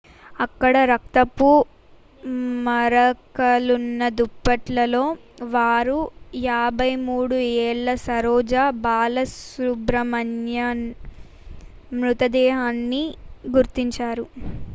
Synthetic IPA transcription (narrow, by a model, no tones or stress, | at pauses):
ɐkːɐɽɐɾɐk̚t̪ɐpːu | mɐɾɐkɐlunːɐd̪upːɐʈlɐlo̞ː | ʋaːɾujaːbʱɐjmuːɽuɛːɭːɐsɐɾɔːd͡ʒaːbaːlɐsubɾɐmɐnjɐ | mɾut̪ɐd̪ɛːɦaːnːiɡuɾt̪iɲt͡ʃaːɾu